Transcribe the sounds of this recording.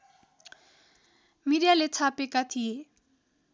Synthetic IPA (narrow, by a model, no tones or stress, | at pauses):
miɾjalet͡sʰapekat̪ʰije